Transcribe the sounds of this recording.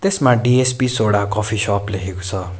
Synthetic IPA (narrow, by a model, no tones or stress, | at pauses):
t̪esmãɖiespisoɽakɔpʰiʃɔplekʰeko̥t͡sʰʌ